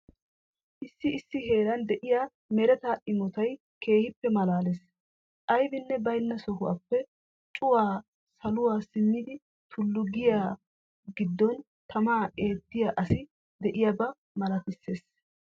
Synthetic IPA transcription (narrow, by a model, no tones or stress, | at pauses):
ʔɪsːɪɪsːɪɦe̞ːɾɐnd̪ɛʔɪjaː | mɛɾɛt̪aːʔɪmɔt̪ɐj | ke̞ːhɪpːɛmɐlaːles | ʔɐjbɪnːɛbɐjnːɐsɔhʊwa̰pːɛ | t͡ʃʼʊwaː | sɐlʊwaːsɪmːɪd̪ɪ | t̪ʰʊlːʊɡɪjaː | ɡɪd̪ːɔn | t̪ɐmaːʔe̞ːt̪ːɪjaʔɐsɪ | d̪ɛʔɪjabɐ | mɐlɐt̪ɪsːe̞ːs